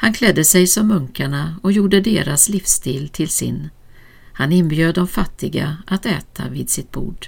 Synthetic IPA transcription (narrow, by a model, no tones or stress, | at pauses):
hankʰlɛd̪ːəsɛjsɔmːɵŋkaɳaɔkjuːɖəd̪eːɾasliːfst̪iːlt̪ʰɪlsɪ̰n | hanɪnbjøːd̪ːɔmfat̪ːɪɡa̰ʔat̪ɛːt̪ʰa̰viːd̪sɪt̪̚b̥ṵːɖ̥